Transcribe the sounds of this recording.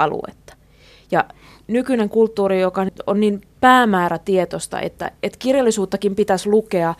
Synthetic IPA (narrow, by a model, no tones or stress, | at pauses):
ɑlṵḛt̪ːɑ̥ | jɑ | nykyneŋkult̪ːuːɾijokɑonnimpæːmæːɾæt̪iet̪ost̪ɑ̰ʔḛt̪ːæ̰et̪kirjɑlːisuːt̪ːɑkimpit̪æslukeɑ